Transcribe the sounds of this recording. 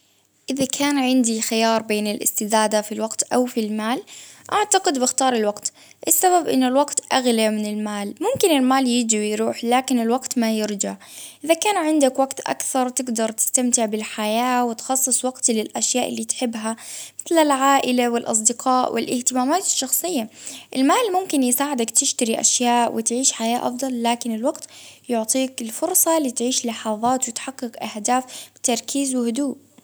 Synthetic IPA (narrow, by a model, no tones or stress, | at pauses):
ʔɪðakʰaːnʕɪnd̪ixɪjɑːɾˤbeːnɪlʔɪ̰st̪ɪd̪aːd̪afilwaqt̪ʔawfilmaːlʔaʕt̪aqɪd̪bɪxt̪ɑːɾˤɪlwaqt̪ | ʔɪsːaβabʔɪ̰nːʊlwaɡt̪ʔaɣlamɪnɪlmaːlmʊmkɪnɪlmaːljɪd͡ʒiwjɾuːħlaːkɪnɪlwaɡt̪majɪɾd͡ʒaʕ | ʔɪðakaːnʕɪnd̪akwaɡt̪ʔa̰kθɑɾˤt̪ɪɡd̪ɑɾˤt̪ɪ̥st̪amt̪ɪʕbɪlħajaːwɪt̪xɑsˤːɨsˤwɑɡt̪lɪlʔaʃjaːʔɪlːiːt̪ħɪbːɦamɪθlalʕaːʔɪlawɪlʔɑ̰s̬ˤd̪ɪqɑːʔwʔɪ̰lʔɪht̪ɪmaːmaːt̪ɪ̥ʃːɑxsˤɨjːaʔɪlmaːlmʊmkɪnjɪsaːʕɪd̪akt̪ɪʃt̪aɾiʔa̰ʃjaːʔwʔɪ̰t̪ʕiːʃħajaːʔɑ̰fd̪ˤɑlːaːkɪnɪlwaɡt̪jʊʕt̪ˤiːkɪlfʊɾsˤɑliːt̪ʕiːʃlɑħɑːðˤɑːt̪wɪt̪ħaqːɪkʔahd̪aːfb̥ɪt̪ɑɾˤkʰiːzwɪhʊd̪uːʔ